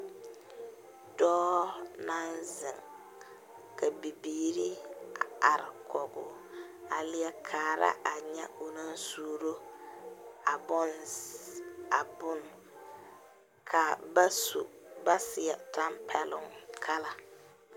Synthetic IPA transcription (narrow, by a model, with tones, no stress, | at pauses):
dɔː˦na˦nzɪ˨ŋ | ka˨bi˨biː˨ɾi˦a˨a˨ɾɪ˨kʰɔ˨ɡʊ˨ | a˨lɪ˦ɛ˦kʰaː˨ɾa̰˦ʔa˨ɲɛ˦o˨na˦n˦suː˦ɾo˦ | a˨bɔ˦n | a˨bʊ˦n˨ | kʰa˨bsu˨ba˦sɪ˨a˨ta˦mpʰɛ˦lʊ˦ŋkʰa˦la˨